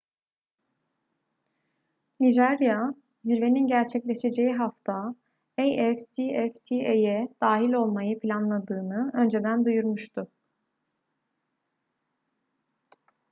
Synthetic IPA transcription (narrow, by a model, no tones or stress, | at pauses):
niʒæɾja | zilʲve̞ninɟæɾt͡ʃʰɛclʲe̞ʃe̞d͡ʒe̞jiɦaft̪ʰa | ejɛfsiɛft̪ʰiejɛd̪̥aːɦilʲo̞lˠmajɯpʰilʲanlˠad̪ɯːnɯø̞nd͡ʒe̞d̪ænd̪ujuɾmuʃt̪ʰʊ